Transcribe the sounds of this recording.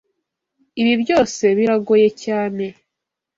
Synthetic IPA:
iβibjo̞ːse̞βiɾaɡoje̞caːne̞

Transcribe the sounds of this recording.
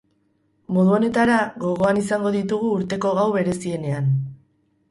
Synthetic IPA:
mo̞ðuo̞ne̞t̪aɾaɣo̞ɣ̞o̞anisaŋɡo̞ðit̪uɣ̞uːɾt̪e̞ko̞ɣawβe̞ɾe̞sie̞ne̞an

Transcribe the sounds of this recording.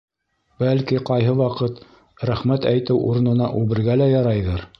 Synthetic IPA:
bælkiqɑjɦɤwɑqɤt̪ | ɾæχmæt̪æjt̪ɘwʔuɾɤ̆nɤ̆nɑʔʉβɘ̆ɾɡælæjɑɾɑjðɤɾ

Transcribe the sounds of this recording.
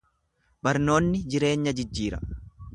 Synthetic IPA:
bɐɾno̞ːnːɪd͡ʒɪɾe̞ːɲːɐd͡ʒɪd͡ʒːiːɾɐ̰

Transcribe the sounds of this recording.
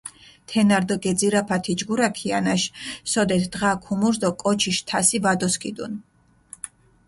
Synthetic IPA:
t̪ʰɛnaɾd̪ɔɡɛd̪ziɾapʰat̪ʰid͡ʒɡuɾakʰianaʃsɔd̪ɛt̪ʰd̪ʁakʰumuɾd̪ɔkʼɔt͡ʃʰiʃt̪ʰasivad̪ɔskʰʼid̪ṵn

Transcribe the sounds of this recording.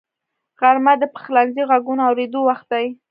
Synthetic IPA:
ɣaɾmad̪əpə̥xlanziɣaɡunoawɾed̪owaxt̪̚d̪aj

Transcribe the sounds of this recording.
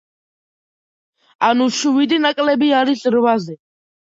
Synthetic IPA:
anuʃuvid̪inakʼlɛbiaɾisɾwazɛ

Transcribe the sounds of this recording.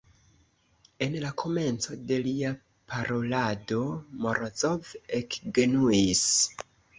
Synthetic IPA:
e̞nlakʰo̞me̞nt͡so̞de̞lia | pʰaɾʔo̞lado̞moɾʔozovekɡe̞nuis

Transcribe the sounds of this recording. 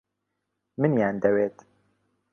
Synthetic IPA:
mɨnjaːnd̪ɛweːt̪

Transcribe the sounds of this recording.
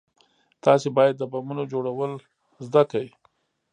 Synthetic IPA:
t̪ɑsebɑjad̪ːəbamunod͡ʒoɽawəl | zd̪akawi

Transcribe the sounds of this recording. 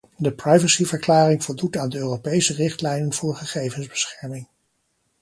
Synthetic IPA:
dəprɑjvəsivəɹklaːrɪŋvʊlˠdutaːndəøːropejsərɪχtlɛjnənvʊːɹχəχejvənzbəsχɛɹmɪŋ

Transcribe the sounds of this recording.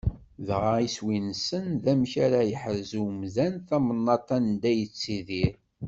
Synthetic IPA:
ðʁaiswinsənðæmçaɾajəħəɾzumzænθæmənːɑt̪ˤɑnd̪æjət͡sːiðiɾ

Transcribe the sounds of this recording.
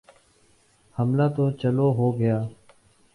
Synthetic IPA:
həmlaːt̪oːt͡ʃəloːɦoːɡəjaː

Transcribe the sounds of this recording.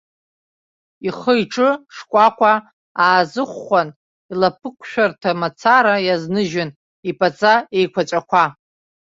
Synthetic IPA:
iχəjʈ͡ʂʼɨʂkʷʼakʷʰa | aːzɨχʷːan | ilapʰɨkʷʰʼʃᶣartʰamat͡sʰaɾajaznɨʒɪn | ipʼat͡sʼae̞jkʷʰat͡ʃʷʼakʷʰa

